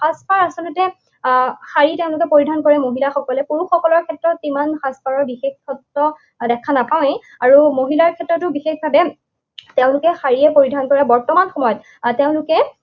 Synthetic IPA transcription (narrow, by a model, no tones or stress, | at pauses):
xaspaɹasɔlʊtɛ | xaɹiteʊ̃lʊkɛpoɹidʱankɔɹɛmoɦilaxɔkɔlɛpuɹuxɔkɔlɔɹkʰɛtɹɔtːimanxaspaɹɔɹbixexkʰɔtɹɔ | dɛkʰanapaw̃e | aɹumoɦilaɹkʰɛtːɹɔtʊbixexbʱabɛ | teʊ̃lʊkɛxaɹiɛpoɹidʱankɔɹɛbɔɹtɔmanxɔmɔjɔt | tːeʊ̃nlʊkɛ